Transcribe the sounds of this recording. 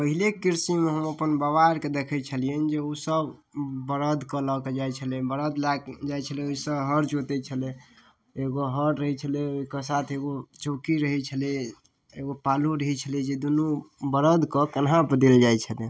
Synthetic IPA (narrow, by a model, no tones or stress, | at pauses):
pəɦilekiɾsimeɦəməpənbaʋaɾked̪ekʰɛt͡ʃʰəlijənd͡ʒeusəbbəɾəd̪kəlaked͡ʒajt͡ʃʰəlɛbəɾəd̪lad͡ʒajt͡ʃʰəlɛosəbɦəɾt͡ʃot̪ɛt͡ʃʰəlɛ | eɡoɦəɾːəɦɛt͡ʃʰəleokasat̪ʰeɡot͡ʃokiɾəɦɛt͡ʃʰəlɛ | eɡopaluɾəɦɛt͡ʃʰəlɛd͡ʒed̪unubəɾəd̪kəkənɦãpəd̪eld͡ʒajt͡ʃʰəle